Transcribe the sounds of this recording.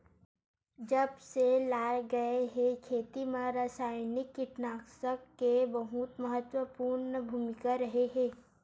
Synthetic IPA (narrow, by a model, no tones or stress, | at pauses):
d͡ʒɐbselaːɡɐeɦẽkʰeːt̪imãɾaːsaːjnɪkːɪʈnaːksəkːebɐɦʊt̪məɦət̪wəpuːɾnəbʱuːmɪkaɾɐɦeɦɛ̃ː